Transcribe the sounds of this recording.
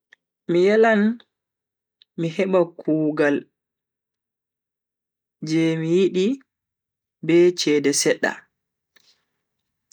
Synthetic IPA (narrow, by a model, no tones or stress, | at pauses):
mijalan | miɦɛɓakʰuːɡal | d͡ʒɛmijiɗi | bɛt͡ʃɛːdɛsɛɗːa̰